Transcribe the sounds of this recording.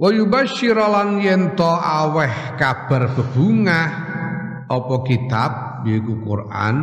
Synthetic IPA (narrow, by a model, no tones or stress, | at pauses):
wɔjubaʃiɾɔlanjɛnt̪ɔʔawɛh | kab̥a̤rb̥ə̤b̥uŋah | ʔɔpɔkit̪ap̚ | joikukurʔa̰n